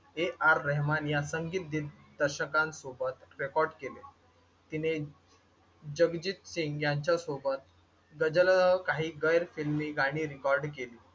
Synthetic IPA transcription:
eʔaɾːəɦmanjasəŋɡiːt̪̚d̪iːt̪d̪əɾɕəkãnsobət̪ɾekɔɾɖkele | t̪ine | d͡ʑəɡd͡ʑit̪siŋɡjaɲt͡ɕjasobət̪̚ | ɡəd͡ʑəlɦəkaɦiːɡəjɾfilmiːɡaɽ̃iːɾikɔɾɖkeliː

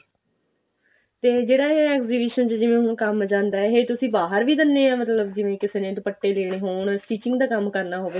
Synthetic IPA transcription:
t̪eːd͡ʒeːɽaːaːɛːkziːbɪːʃənt͡ʃd͡ʒɪʋẽːɦʊ̃kəmd͡ʒãːnd̪aːɛɦeːt̪ʊsĩːbaːɦəɾʋiːd̪ənːeːãːmət̪ləbd͡ʒɪʋẽːkɪseːnẽːt̪̬õːpəʈːeːleːɽ̃eːɦoːɳsʈiːt͡ʃɪ̃ŋɡd̪aːkəmkəɾnaːɦoːʋeː

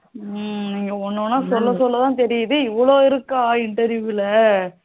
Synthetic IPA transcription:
niːŋɡɐɔnːõːnːaːsɔlːɐsɔlːɐt̪ãːt̪ɛɾɪjɐðɯɪʋːɐɭoːɪɾɯkːaːɪɳʈɐɾjuːɪlɐ

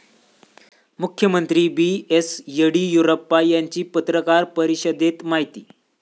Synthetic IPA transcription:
mukʰjəmənt̪ɾiːbiesjəɽiːjuɾopːajaɲt͡ɕiːpət̪ɾəkaɾpəɾiɕəd̪et̪maɦit̪iː

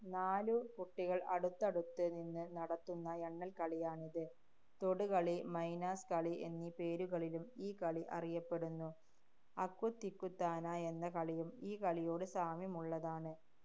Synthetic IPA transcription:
naːlukuʈːiɣɐɭɐɽut̪ːɐɽut̪ːɨninːɨnɐɽɐt̪ːunːɐeɳːɐlkɐɭijaːɳiðɨ | t̪oɽukɐɭimɐjnaːskɐɭiʔe̞̰nːipe̞ːɾuɣɐɭilumiːkɐɭiʔɐ̰rijɐpːe̞ɽunːu | ɐkːut̪ːikːut̪ːaːnae̞nːɐkɐɭijumiːkɐɭijo̞ːɽɨsaːmjɐmuɭːɐðaːɳɨ

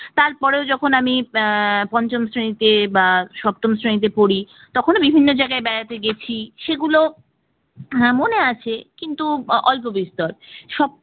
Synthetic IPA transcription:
t̪aɾpɔɾeod͡ʑɔkʰonami | pɔnt͡ɕomsɾenit̪ebaʃɔp̚t̪omsɾenit̪̬epoɽi | t̪ɔkʰonobibʱinːod͡ʑaeɡaebɛɾat̪eɡet͡ɕʰiʃeɡulo | moneat͡ɕʰekint̪uʔɔlpobist̪ɔɾʃɔb̚

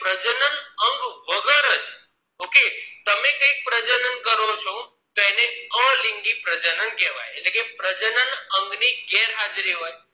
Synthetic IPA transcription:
pɾəd͡ʒənənəŋɡʋəɡəɾəd͡ʒ | oket̪əmekə̃ik̚pɾəd͡ʒənənkəɾot͡ʃʰo | t̪oeneə̃liŋɡipɾəd͡ʒənənkɛʋa̰jeʈlekepɾəd͡ʒənənəŋɡniɡɛɾɦad͡ʒɾiʋoj

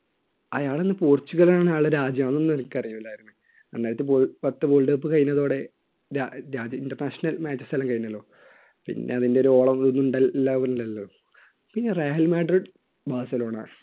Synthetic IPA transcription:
ɐjaːɭenːɨpoːrt͡ɕːuɣɐlaːɳɨaːɭɨɾaːd͡ʑjɐmnːonːenkʲːɐrijumɐlːaːjiɾunːu | ɐnːaːjɾɐt̪ːɨbolpɐt̪ːɨboːlɖɐːpːɨkɐjinːɐðo̞ːɽe̞ | ɾaɾaːd͡ʑɐinʈɐrnaːʂɐnɐlmaːd͡ʑɐst̪ɐlɐmkɐjunːɐlːo̞ː | pḭnːe̞̰ɐðinde̞oɾuo̞ːɭɐmɐðunːuɳɖɐːaʋnlːɐlːo | pinːereːɦɐlmaːɖriɖ | baːsɐlo̞ːɳa̰ː

